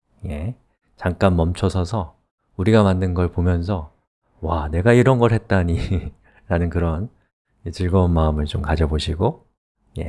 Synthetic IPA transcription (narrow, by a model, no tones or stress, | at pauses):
je̞ | t͡ɕaŋk͈anmʌmt͡ɕʰʌsʰʌsʰʌ | uɾiɡamandɯnɡʌɭpomjʌnsʰʌ | wane̞ɡaiɾʌnɡʌɭɦe̞t̚t͈aɲi | ɾanɯnkɯɾʌn | et͡ɕɯɭɡʌonmaɯmɯɭt͡ɕomkad͡ʑʌboɕʰiɡo | je̞̰